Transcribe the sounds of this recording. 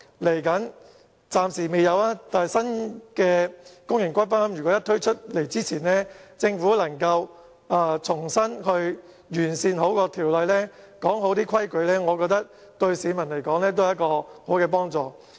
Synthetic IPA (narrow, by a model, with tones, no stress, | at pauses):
le˨˩jkɐ˨˥n | t͡saː˧msi˨˩me˨˧jɐ˨˧waː˦˥t̪aː˨jsɐ˥nkɛː˧kʊ˥ŋjɪ˨˩ŋkʷɐ˥j̚pɐ˥mjy˨˩kɔː˨˥jɐ˥t̪ʰɵ˥ɥt͡ʃʰɵ˥t̚le˨˩jt͡siː˥t͡sʰiː˨˩nlɛː˥t͡sɪ˧ŋfuː˨˥lɐ˨˩ŋkɐ˧w | aː˧t͡sʰʊ˨˩ŋsɐ˥nhɵ˧ɥ | jyː˨˩nsiː˧nho˨˥wkɔː˧t̪ʰiː˨˩wlɐ˨jlɛː˥ | kɔː˨˥ŋɦo˨˥wt̪iː˥kʰɐ˥jkɵ˨˧ɥlɛː˥ŋɔː˨˧kɔː˧k̚t̪ɐ˥k̚ | t̪ɵ˧ɥsiː˨˧˥mɐ˨˩nle˨˩jkɔː˨˥ŋlɛː˥t̪o˥ha˧˦jɐ˥t̚kɔː˧ho˨˥wkɛː˧p̬ɔː˥ŋt͡sɔː˨˧